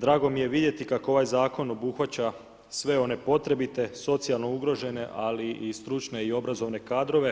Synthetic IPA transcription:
d̪ɾaːɡo̞mije̞ʋid̪je̞t̪ikakoo̞ʋajzaːko̞no̞buxʋat͡ɕa | sʋe̞o̞ne̞po̞t̪ɾe̞bit̪e̞so̞t̪sijalˠno̞uɡɾo̞ʒe̞ne̞ʔaliist̪ɾut͡ʃne̞io̞bɾazo̞ʋne̞kaːd̪ɾo̞ʋe̞

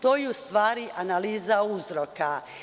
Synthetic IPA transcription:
t̪oːjɛust̪ʋaːɾiʔanaliːzauzɾoka

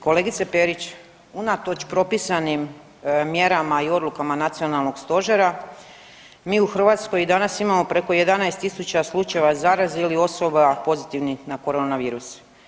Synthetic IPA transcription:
ko̞le̞ɡit̪sepe̞ɾit͡ɕ | unat̪ot͡ʃpɾo̞pisanim | mje̞ɾamaio̞d̪lˠukamanat̪sio̞nalˠno̞ɡst̪o̞ʒeɾa | miːuxr̩ʋaːt̪sko̞jid̪anasimamo̞pɾe̞ko̞je̞d̪anajst̪isut͡ɕaslˠut͡ʃaeʋazaːɾazilio̞so̞bapo̞zit̪iʋnixnako̞ɾo̞naʋiːɾuse̥

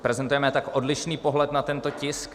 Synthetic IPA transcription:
pɾɛzɛnt̪ujɛmɛt̪akʔo̞dlɪʃniːpo̞ɦlɛt̪nat̪ɛnt̪ocɪsk

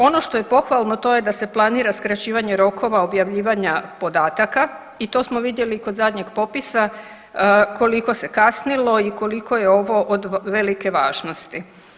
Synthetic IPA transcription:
o̞no̞ʃt̪o̞je̞po̞xʋalˠno̞t̪o̞je̞d̪ase̞plˠaniːɾaskɾat͡ɕiːʋaɲe̞ɾo̞kʰo̞ʋaobjaʋʎiːʋaɲapo̞d̪aːt̪aka | it̪o̞ːsmo̞ʋid̪je̞likod̪zad̪ɲe̞ɡpo̞pisa | ko̞liko̞se̞kasnilo̞iko̞liko̞je̞o̞ʋo̞ʔod̪ʋe̞like̞ʋa̰ːʒno̞st̪i

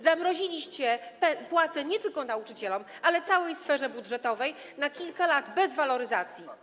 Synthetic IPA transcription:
zamɾɔʑilʲiɕt͡ɕɛpɛpwat̪sɛɲɛt̪ɘlkɔnaut͡ʂɘt͡ɕɛlɔmʔalɛt̪sawɛjsfɛʐɛbudʐɛt̪ɔvɛj | nakʲilkalad̪bɛzvalɔɾɘzat̪sʲji

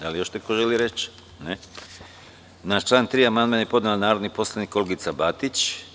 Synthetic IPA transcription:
d̪alijo̞ʃnekoʒeliɾet͡ʃ | ne | naːʃt͡ʃlˠaːnt̪ɾiːamand̪manajepo̞d̪nelanaːɾod̪nipo̞slˠaniːko̞leɡit̪sabat̪it͡ɕ

